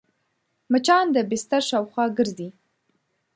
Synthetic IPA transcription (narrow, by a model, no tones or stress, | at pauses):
mət͡ʃɑnd̪əbɪst̪aɾʃɑwxwɑɡəɾzi